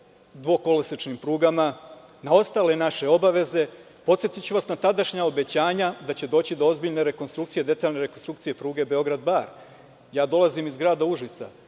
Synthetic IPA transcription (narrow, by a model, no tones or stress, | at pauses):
d̪ʋo̞ko̞lesit͡ʃnimpɾuːɡama | nao̞st̪aːle̞naʃe̞o̞baʋe̞ze̞ | po̞t̪sjet̪it͡ɕuʋasnat̪ad̪aʃɲao̞be̞t͡ɕaːɲad̪at͡ɕe̞d̪o̞ːt͡ɕid̪o̞o̞zbiʎne̞ɾe̞ko̞nst̪ɾukt̪sije̞d̪e̞t̪aːʎne̞ɾe̞ko̞nst̪ɾukt̪sije̞pɾuːɡe̞be̞o̞ɡɾad̪baːɾ | jaːd̪o̞lazimizɡɾaːd̪auʐit̪sa̰